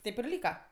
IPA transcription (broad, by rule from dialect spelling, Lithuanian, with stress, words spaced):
ˈtʲeːp ɪr ˈlʲiːkɐ